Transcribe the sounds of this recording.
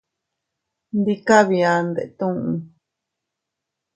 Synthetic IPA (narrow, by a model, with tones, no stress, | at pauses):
nd̪i˦ka˦βi˧a˦nd̪ḛ˨ʔt̪ũ˦ũ˧